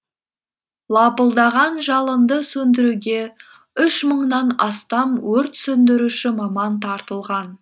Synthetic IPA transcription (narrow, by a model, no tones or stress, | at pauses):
lˠɑpəlˠd̪ɑʁɑnʒɑlˠənd̪əsɵnd̪ɪɾuɡʲe̞ | ʏʃməɴnɑnɑst̪ɑmwɵɾt̪sɵnd̪ɪɾuʃɪmɑmɑnt̪ʰɑɾt̪əlˠʁɑn